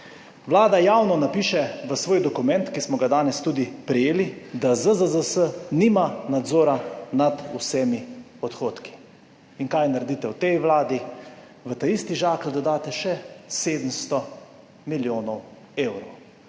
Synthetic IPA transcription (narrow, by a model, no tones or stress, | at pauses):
ʋlaːd̪ajaːwnɔnapiːʃɛʋəsʋoːjd̪ɔkumɛ̃nt̪kismɔɡad̪aːnɛst̪uːd̪ipɾɛjeːlid̪azəzəzəsəniːmanad̪zoːɾanad̪usɛmi | ɔt̪xoːt̪ki̥ | iŋkajnaɾɛd̪it̪ɛwt̪ɛjʋlaːd̪i | ʋət̪aist̪iʒaːkld̪ɔd̪aːt̪ɛʃɛseːd̪əmst̪ɔ | miljoːnɔw | eːwɾɔw